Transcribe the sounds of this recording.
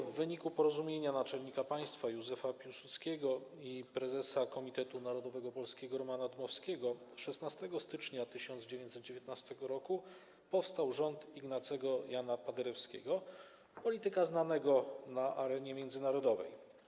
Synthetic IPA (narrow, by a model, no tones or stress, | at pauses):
vːɘɲikupɔɾɔzumʲjeɲanat͡ʂɛlɲikapaj̃st̪fajuzɛfapʲjuwsut̪skʲeɡɔ | ipɾɛzɛsakɔmʲit̪ɛt̪unaɾɔd̪ɔvɛɡɔpɔlskʲeɡɔɾɔmanad̪mɔfskʲɛɡɔʂɛst̪nast̪ɛɡɔst̪ɘt͡ʂɲat̪ɘɕɔnd̪zd͡ʑevʲẽɲt̪sɛt̪̚d͡ʑevʲjet̪̚nast̪ɛɡɔɾɔku | pɔfst̪awʐɔnt̪iɡnat̪sɛɡɔjanapad̪ɛɾɛfskʲeɡɔ | pɔlʲit̪ɘkaznanɛɡɔnaʔaɾɛɲɛmʲjɛnd̪zɘnaɾɔd̪ɔvɛ̰j